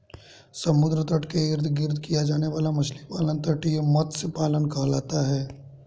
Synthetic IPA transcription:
sɐmʊd̪ɾət̪əʈkeɪɾd̪ʱɡɪɾd̪ʱkijad͡ʒaːneʋaːlamɐʃlipaːlənt̪əʈijemɔt̪sepaːlənkɐɦlaːt̪aɦɛː

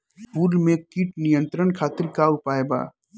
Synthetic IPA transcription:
puːlmẽkiːʈnijə̃nt̪ɾənkʰaːt̪ɪɾkaʊpaːeba̰ː

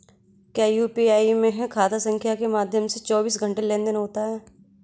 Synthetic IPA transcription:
kaːjuːpiːaːimẽɦɛ̃kʰaːt̪asə̃ŋkʰjakemaːd̪ʱjəmset͡ʃɔːbiːsɡʱə̃ɳʈelẽːnd̪ɪnɦoːt̪aɦɛː

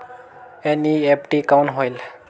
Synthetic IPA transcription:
eniepʈikawnɦɔjl

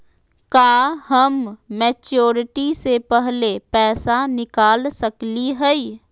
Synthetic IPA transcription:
kaːɦəmːeːt͡ʃoːɾɪʈisepɛɦlepɛːsanɪkaːlsəkliɦɛi

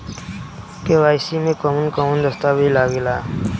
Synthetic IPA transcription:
kewaːjsimẽkɔmunkɔmund̪əst̪abʱilaɡela

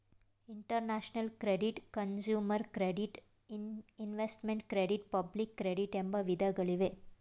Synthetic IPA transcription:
iɳʈəɾnaʃnɐlkɾeɖiʈkɐnsjuːməɾkɾeɖiʈ | inʋesʈmeɳʈkɾeɖiʈ̚pɐblikːɾeɖiʈembɐʋid̪ʱɐɡɐɭiʋe

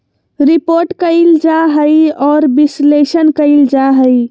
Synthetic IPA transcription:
ɾipoɾʈkəɪld͡ʒaɦəjɔːɾbislesənkəɪld͡ʒaɦəj

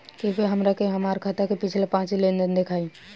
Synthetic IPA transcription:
kifeɦəmɾakeɦəmaːɾkʰat̪akepɪt͡ʃʰlepãːt͡ʃilẽnd̪ənd̪ekʰaːi

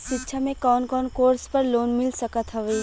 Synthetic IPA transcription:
ʃɪtːʃʰamẽkɔːnkɔːnkoːɾspɐɾloːnmɪlsəkət̪ɦɐʋəi

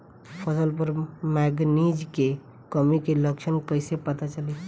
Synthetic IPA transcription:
pʰəsəlpəɾmɛɡnid͡ʒke | kəmikeləkʃənkəjsepət̪at͡ʃəli

